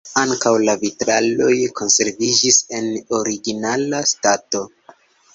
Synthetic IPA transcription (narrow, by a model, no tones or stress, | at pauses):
aŋkawlavitɾalo̞jkʰo̞nse̞ɾvid͡ʒise̞no̞ɾiɡinalastato̞